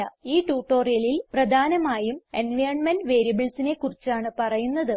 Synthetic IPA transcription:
ɐiːʈuːʈːo̞ːrijɐlilprɐd̪ʱaːnɐmaːjumenʋɐjrɳmenɖʋe̞ːɾijɐbɨɭsine̞kurit͡ɕːaːɳɨpɐrɐjunːɐðɨ

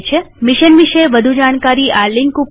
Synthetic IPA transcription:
t͡ʃʰe | mɪʃənʋiʃəeʋəd̪ʱud͡ʒaɽ̃kaɾiʔalɪŋkup

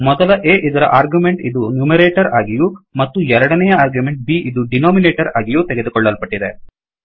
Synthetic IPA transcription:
mɔd̪ɐlɐʔeːʔid̪ɐɾɐ̰ʔaːɾɡjumeɳʈid̪unumeɾeːʈɐɾaːɡijumɐt̪ːuɛɾɐɽɐnɛjɐaːɾɡjume̞ɳʈ̚biʔid̪uɖinoːmineːʈɐɾaːɡijuːt̪eɡe̞d̪ukɔɭːɐlpɐʈːid̪e̞

